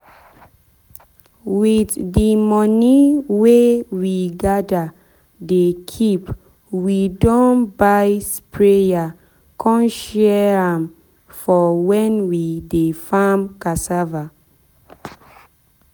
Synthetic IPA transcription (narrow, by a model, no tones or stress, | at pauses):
witdimɔniwewiɡada | dekʰip | widɔ̃nbajspɹeja | kʰɔ̃nʃɛɹãm | fɔwɛ̃nwidefamkasava